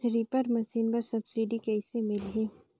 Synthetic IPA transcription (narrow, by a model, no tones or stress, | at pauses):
ɾipəɾmɐsiːnpɐɾsɐbsiɖikɛɪsemɪlɦeː